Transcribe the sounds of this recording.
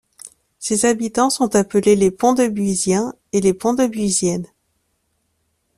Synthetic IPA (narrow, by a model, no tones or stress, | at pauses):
sezabit̪ɑ̃sɔ̃t̪apəlelepɔ̃d̪əbɥizjɛ̃ | elepɔ̃d̪əbɥizjɛn